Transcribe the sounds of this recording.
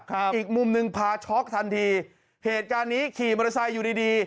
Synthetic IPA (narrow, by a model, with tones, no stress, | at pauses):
kʰa˦˥ʔiː˨˩k̚mu˧mnɯ˧ŋpʰaː˧t͡ɕʰɔ˦˥k̚t̪ʰa˧nt̪ʰiː˧ | heː˨˩t̪̚kaː˧nːiː˦˥kʰiː˨˩ma˧ɾa˧sa˧jːuː˨˩diː˧diː˧